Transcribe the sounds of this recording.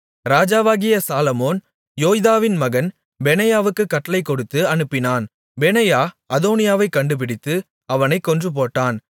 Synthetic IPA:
ɾaːd͡ʒaːʋaːɣɪjɐsaːlɐmoːn | joːjðaːʋɪnmɐɣɐn | bɛnɐjaːʋɯkːɯkːɐʈːɐlɐɪkːɔɽɯt̪ːɯɐnɯpːɪnaːn | bɛnɐjaːʔɐðoːnɪjaːʋɐɪkːɐɳɖɯp̬ɪɽɪt̪ːɯ | ɐʋɐnɐɪkːɔndrɯp̬oːʈːaːn

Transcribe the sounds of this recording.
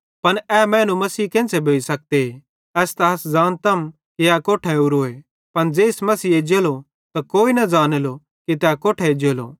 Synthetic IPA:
pɐnɛːmɛ̃ːnũmɐsiːkẽːsebʱeːisɐk̚t̪ee | ɛːst̪ɐɦɐszaːnt̪ɐm | keakoːʈʰɛuɾoːe | pɐnd͡ʒeːɪsmɐsiːed͡ʒeːlo | t̪akoːinɐd͡ʒaːnelo | kit̪ɛkoːʈʰɛed͡ʒeːlo̰ː

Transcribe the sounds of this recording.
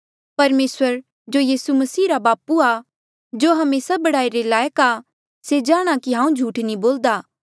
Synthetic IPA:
pɐɾmeːsəɾ | d͡ʒoːjiːsumɐsiːɾabaːpua | d͡ʒoːɦɐmeːsabɐɽaːiɾelaːjəka | sed͡ʒaːɽ̃akiɦãːũd͡ʒʱuːʈnĩboːld̪aː

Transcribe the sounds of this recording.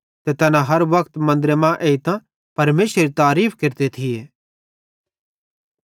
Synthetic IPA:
t̪ɛt̪ɐnãɦɐɾʋɐkʰt̪mɐ̃nd̪ɾemãʔeːit̪ã | pɐɾmeːʃɾeɾit̪aːɾiːpʰkɪɾt̪et̪ʰijeː

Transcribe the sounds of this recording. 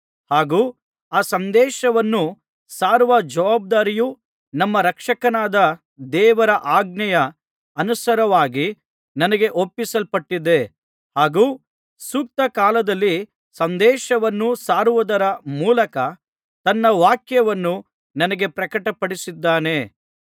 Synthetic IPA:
haːɡuː | aːsɐnd̪ɛːʃɐʋɐnːu | saːɾʋɐd͡ʒɐʋaːb̚d̪aːɾiju | nɐmːɐɾɐkʂɐkɐnaːd̪ɐ | d̪ɛːʋɐɾɐʔaːɡ̚nɐjɐ | ɐnusɐɾɐʋaːɡi | nɐnɐɡe̞ʔopːisɐlpɐʈːid̪e̞ | haːɡuː | suːk̚t̪ɐkaːlɐd̪ɐlːi | sɐnd̪ɛːʃɐʋɐnːusaːɾuʋud̪ɐɾɐmuːlɐkɐ | t̪ɐnːɐʋaːkjɐʋɐnːu | nɐnɐɡe̞pɾɐkɐʈɐpɐɽisid̪ːaːne̞

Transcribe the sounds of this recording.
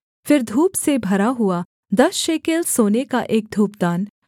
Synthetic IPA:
fɪɾd̪ʱuːpsebʱɐɾaɦʊa | d̪ɐsʃeːkeːlsoːnekaʔeːk̚d̪ʱuːp̚d̪aːn

